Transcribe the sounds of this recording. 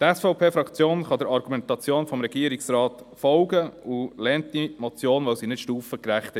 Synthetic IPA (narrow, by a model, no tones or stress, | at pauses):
t̪ɛsfɔʊpʰeːfɾɑkt͡sjoːnχɑd̪ɪɾɑɾɡ̥umɛnt̪ɑt͡sjoːnfɔmɾɛɡiəɾiksɾɑːt̪fɔʊɡəulɛːnt̪imɔt͡sjoːnʋɛʊsinɪtʃtuːfəkɾæχt̪ɛ